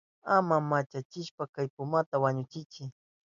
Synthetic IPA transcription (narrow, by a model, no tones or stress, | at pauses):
amamat͡ʃat͡ʃɪʃpakajpʊmat̪awaɲʊt͡ʃɪt͡ʃɪ